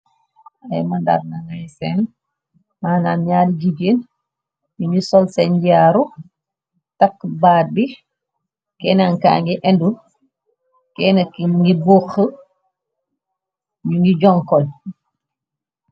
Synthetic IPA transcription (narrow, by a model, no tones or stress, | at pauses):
ajmanda̰ɾnaŋajsɛn | maːnanɲaːdiɟibeːn | ɲuɲisɔlsɛnɟiaːɾu | takːbaːd̚bi | kɛːnaŋka̰ːŋɡiʔɛndu | kɛnakiɡiboxə | ɲuŋɡiɟɔŋkɔl